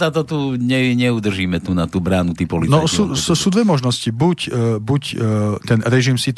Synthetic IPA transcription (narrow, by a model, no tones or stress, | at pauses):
at̪ɔt̪uːɲɛɲɛud̪r̩ʒiːmɛt̪uːnat̪uːbɾaːnut̪iːpɔlinɔasuːssuːd̪ʋɛmɔʒnɔscibucbuct̪ɛnɾɛʒimsit̪